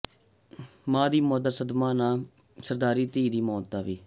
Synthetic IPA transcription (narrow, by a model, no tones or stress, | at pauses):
mãːd̪iːmoːd̪aːsəd̪mãːnãː | səɾd̪aːɾiːt̪iːd̪iːmɔːt̪d̪aːʋiː